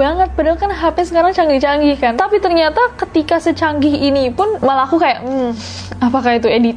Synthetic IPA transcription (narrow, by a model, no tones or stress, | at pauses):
baŋət̪̚bədalkanɦapɛsəkaɾaŋt͡ʃaŋɡiht͡ʃaŋɡɪhkant̪apit̪ərɲat̪akət̪ikasət͡ʃaŋɡɪhinipʊnməlakukajaʔm̩ | apakait̪uedit̪̚